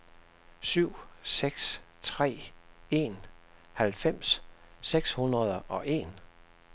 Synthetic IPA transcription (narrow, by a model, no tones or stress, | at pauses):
syʊ̰seɡ̥st͡sʰʁɛ̰ːe̝n | hælfem̰sseɡ̥shunʁɐð̞ˠɐʔɒ̽ʔe̝n